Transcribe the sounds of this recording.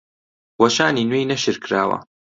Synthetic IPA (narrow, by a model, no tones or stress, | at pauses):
wɐʃaːninweːjnɐʃɨɾkɾaːwɐ̰